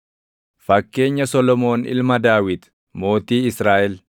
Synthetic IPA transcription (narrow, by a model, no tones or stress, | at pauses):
fɐkːe̞ːɲːɐsɔlɔmo̞ːnɪ̰lmɐd̪aːwɪt̪ | mo̞ːt̪iːɪsɾaːʔɛl